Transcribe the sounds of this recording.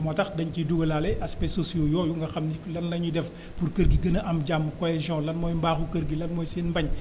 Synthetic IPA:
mɔtɐxdɐɲciduɡɐlalɛʔɐspɛsosijojɔːjuŋɡɐxɐmniklɐnːɐɲudɛf | purkəɾɡiɡənɐʔɐmɟamːkɔɛʒɔ̃lɐnmɔːjmbaːxukəɾɡilɐnmɔːjsiːnmbɐɲ

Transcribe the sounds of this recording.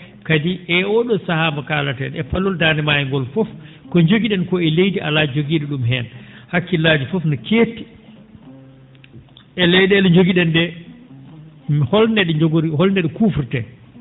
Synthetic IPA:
kadiʔɛɔɗɔsahamakaːlatɛnɛfalːɔldaːndɛmajɛŋɡɔlfɔf | kɔɲd͡ʒoɡiɗɛnkɔɛlejdiʔa̰lad͡ʒid͡ʒoɡiːɗɛɗumɦɛnhakːilaːd͡ʒifɔfnakeːtːi̥ | ʔɛlɛjɗɛɗɔɲd͡ʒoɡiɗɛnɗɛ | hɔlnɛɗɛd͡ʒoɡoɾihɔlnɛɗɛkuːfuɾtɛ̰

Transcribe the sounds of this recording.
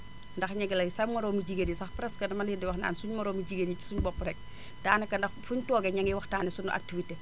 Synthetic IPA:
ndɐxɲɐɡɛlɐjsɐmmɐɾɔːmuɟiɡenisɐxpɾɛskɐdɐmɐlidiwɐxna̰ːnsuɲmɐɾɔːmiɟiɡenit͡ʃi̥suɲbɔpːɾɛk̚ | daːnɛkɐndɐxfuɲtɔːɡɛɲɐŋiwɐxtaːnɛsunʔa̰k̚tifitɛ

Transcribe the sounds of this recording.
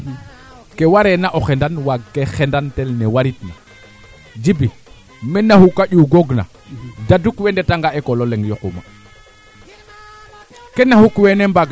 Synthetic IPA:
kewaɾenaʔoxendanwaɡkːexendantelnewaɾitna | d͡ʒibi | menahukaɟuɡoɡna̰ | dadukwendetaŋɡaekololeŋɡjokṵma̰ | kenahukwenembaɡ

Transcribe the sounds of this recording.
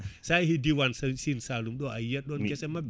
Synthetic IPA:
sajɦidiwansəsinsalumdɔʔajɛt̪̚ɗɔnɛsɛma

